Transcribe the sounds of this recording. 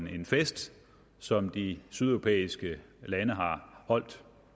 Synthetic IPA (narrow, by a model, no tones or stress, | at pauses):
ne̝nfesd̥ | sɒ̽md̥isyð̞ˠɒʁo̝pʰḛːisɡ̥ə | lænəɦɑ̈hɒ̽l̰d̥